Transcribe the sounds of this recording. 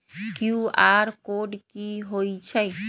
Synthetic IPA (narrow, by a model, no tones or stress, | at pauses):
kjuaːɾkoɖkiɦoit͡ʃʰɛ